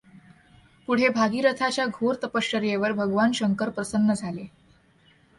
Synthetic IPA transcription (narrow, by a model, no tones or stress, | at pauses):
puɽ̤ebʱaɡiːɾət̪ʰat͡ɕjaɡʱoɾt̪əpəʂəɾjeʋəɾbʱəɡʋanɕəŋkəɾpɾəsənːəd͡zʱale